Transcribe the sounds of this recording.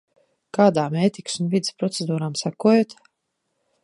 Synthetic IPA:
kaːd̪aːmeːt̪iksunvid̪espɾɔt̪sed̪uːɾaːmsakuɔjoːt̪

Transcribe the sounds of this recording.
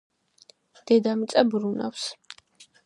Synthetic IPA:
d̪̥ɛd̪amit̪sʼabɾuna̰fs

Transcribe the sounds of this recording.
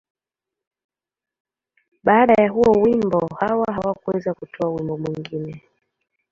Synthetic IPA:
ɓaːɗajaɦuɔwimbɔhawaɦawakuwɛzakutʰɔawimbɔmwiŋɡinɛ

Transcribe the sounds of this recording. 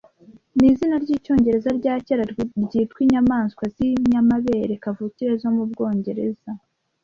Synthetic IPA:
nizinaɾɟiːco̞ːɲɟe̞ɾe̞zaɾɟaːceɾaɾɟiːtwiɲamaːnskwaziɲamaβe̞ːɾekavuciɾezwamubɡo̞ːɲɟe̞ɾe̞z̥a

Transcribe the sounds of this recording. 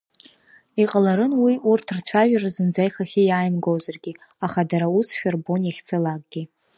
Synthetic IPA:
iqʼalaɾɨnwiʔurtʰrt͡ɕʷʰaʒᶣarazɨnd͡zajχaχʲijaːjmɡowzarɡʲi | aχadaɾausʃᶣarbonaχʲt͡sʰɨlaɡ̚ʼɡʲi

